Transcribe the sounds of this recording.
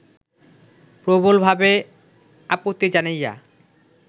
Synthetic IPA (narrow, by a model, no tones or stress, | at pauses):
pɾobolbʱabe | apot̪ːid͡ʑanaja̰